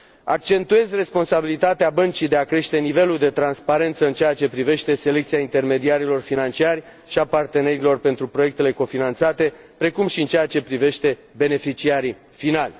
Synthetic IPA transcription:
a̰k̚t͡ʃe̞nt̪ue̞zʲre̞spo̞nsabilit̪at̪eabənt͡ʃid̪e̞akɾe̞ʃt̪e̞nive̞luld̪e̞t̪ɾanspaɾe̞nt̪səɨnt͡ʃeat͡ʃe̞pɾive̞ʃt̪e̞se̞le̞k̚t̪siaint̪e̞rme̞d̪iaɾilo̞rfinant͡ʃiarʲ | ʃiapart̪e̞ne̞ɾilo̞rpe̞nt̪ɾupɾo̞je̞k̚t̪e̞le̞ko̞finant̪sat̪e̞ | pɾe̞kumʃiɨnt͡ʃeat͡ʃe̞pɾive̞ʃt̪e̞ | be̞ne̞fit͡ʃiaɾi | finalʲ

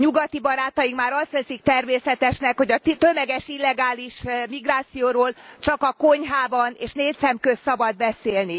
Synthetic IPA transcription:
ɲuɡɒt̪ibɒɾaːt̪ɒjikmaːɾɒst̪ʋɛsik̚t̪ɛrmeːsɛt̪ɛʃnɛkho̞ɟɒt̪ømɛɡɛʃilːɛɡaːliʃmiɡraːt̪sijoːɾoːlt͡ʃɒkɒko̞ɲɦaːbɒneːʃneːt̪sɛmkøssɒbɒd̪̚bɛseːlni

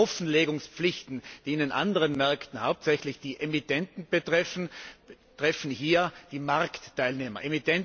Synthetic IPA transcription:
ɔfn̩leːɡʊŋspp͡flɪçtn̩d̥iːɪndenʔa̰ndəʁənmɛɐktn̩haʊp̚tsɛçlɪçd̥iːʔemitɛntn̩b̥ətʁ̥ɛfn̩b | tʁ̥ɛfn̩hiːɐd̥iːmaʁktːaɪlneːmɐʔemitʰɛn

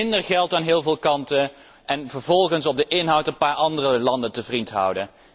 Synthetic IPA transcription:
ɪndəɹχɛlˠtaːnɦɪːlˠvɪːlˠkɑntə | ʔɛnvəɹvɔlˠχənsɔb̚dəʔɪnɦʌwtənpaːɹɑndərəlɑndəntəvrintɦʌ̰wdə

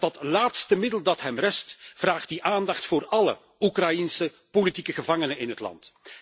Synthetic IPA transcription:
dɑtlaːtstəmɪdəlˠdɑtɦɛmrɛstv̥raːχt̚diʔaːndɑxtfʊːrɑlə̰ | ukrɑjinsə | politikəɣəvɑŋənəɪnɦətlɑ̰nt

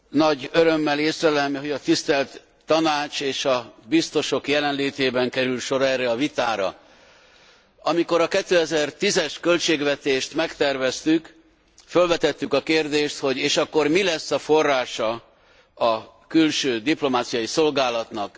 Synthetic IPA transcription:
nɒɟøɾø̞mːɛleːsrɛlɛmɦoɟɒt̪ist̪ɛlt̪ː | ɒnaːt͡ʃeːʃɒbist̪o̞ʃo̞kjɛlɛnleːt̪eːbɛŋkɛɾylʃo̞ɾɛːrːɛɒvit̪aːɾɒ̰ | ɒmiko̞ɾɒkɛt̪ːøːɛzɛrt̪izɛʃkø̞lt͡ʃeːɡvɛt̪eːʃt̪mɛkt̪ɛrvɛst̪yk | følvɛt̪ɛt̪ːykɒkeːrd̪eːʃt̪ho̞ɟeːʃɒkːo̞rmilɛsːɒfo̞rːaːʃɒ | ɒ | kylʃøːd̪iplo̞maːt̪sijɒjiso̞lɡaːlɒt̪nɒk

